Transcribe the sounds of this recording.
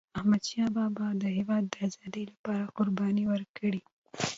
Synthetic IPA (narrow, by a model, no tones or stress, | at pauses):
ahmad̪ʃɑbɑbɑd̪əɦɪwɑd̪ːəazɑd̪əjlapɑɾaqʊɾbɑniwəɾkəɽi